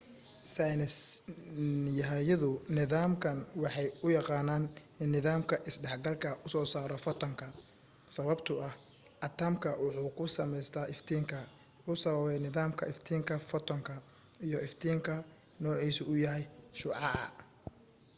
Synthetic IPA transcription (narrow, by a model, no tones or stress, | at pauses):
sajnɛs | jɐɦjɐðʊnɪðaːmkʰɐnwɑħɑjʊjɑqɑːnaːnɪnːɪðaːmkʰɐʔɪsɖɛħɡɐlkʰɐʊsɔːsaːɾɔfɐt̪ʰɐŋkʰɐ | sɐβɐbt̪ʰʊɐh | ʔɐt̪ʰaːmkʰɐwʊħuːkʰʊsɐmɛjst̪ʰaːɪft̪ʰiːŋkʰɐ | ʊsɐβɐβɛjnɪðaːmkʰɐɪft̪ʰiːŋkʰɐfɔt̪ʰɔŋkʰɐ | ijɔʔɪft̪ʰiːŋkʰɐ | nɔːʕiːsʊʊjɐɦɛjʃʊːʕɑʔ